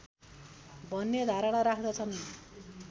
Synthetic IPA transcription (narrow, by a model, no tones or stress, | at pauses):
bʱʌnːed̪ʱaɾaɽ̃aɾakʰd̪ʌt͡sʰʌn